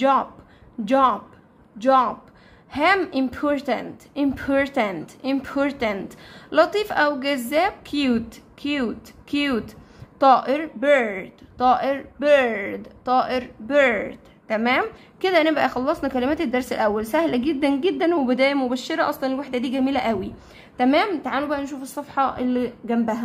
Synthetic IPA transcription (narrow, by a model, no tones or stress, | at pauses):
d͡ʒɑːb̥ | d͡ʒɑːb | d͡ʒɑːb̥ | hæːmʔɪmpʰoːɾt̪ænt̪ʔɪmpʰoːɾt̪ænt̪ʔɪmpʰoːɾt̪ænt̪lɑt̪ˤiːfʔæwɡæzːæːb̚kʰjuːt̪kʰjuːt̪kjuːt̪ | t̪ˤːɑːʔeɾbeɾd̪t̪ˤɑːʔeɾbeɾd̪t̪ˤːɑːʔeɾbeɾd̪̥ | t̪ːæmæːm | ked̪ænebʔæxɑlːɑsˤnɑkælemæːt̪ed̪ːɑɾˤselʔæwːælsæhlæɡed̪ːænɡed̪ːænwebed̪æːjmobæʃːeɾæʔɑsˤlɑnelwaħd̪æd̪iːɡæmiːlæʔæwi | t̪æmæːmt̪aʕaːelobæʔænʃ̬uːfesˤːɑfħɑʔelːiɡæmbæɦæ